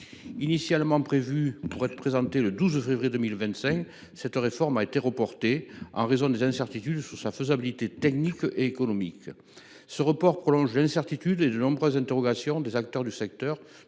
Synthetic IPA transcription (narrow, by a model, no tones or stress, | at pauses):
inisjalmɑ̃pχevypuʁɛt̪χəpχezɑ̃t̪eləd̪uzfevʁijed̪əmilvɛ̃t̪sɛ̃ŋk | sɛt̪ʁefɔʁmaet̪eʁəpɔʁt̪eɑ̰̃ʁezɔ̃d̪ezɛ̃sɛʁt̪it̪yd̪syʁsaføzabilit̪et̪ɛknikeːkɔnɔmḭk | səʁəpɔʁpχɔlɔ̃ʒlɛ̃sɛʁt̪it̪yd̪ed̪ənɔ̃bʁøzɛ̃t̪eʁɔɡasjɔ̃d̪ezak̚t̪œʁd̪ysɛk̚t̪œʁ